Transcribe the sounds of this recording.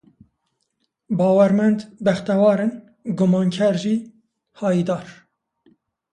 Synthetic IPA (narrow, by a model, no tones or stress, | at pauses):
bɑːwɛɾmɛnd̪bɛxt̪ɛwɑːɾen | ɡʊmɑːŋkʰɛɾʒiː | hɑːjiːd̪ɑːɾ